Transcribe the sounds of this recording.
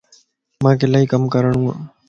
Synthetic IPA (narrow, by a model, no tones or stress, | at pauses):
mãːkeːlaːiːkəmkəɾəɳ̃ũːɦã̰ː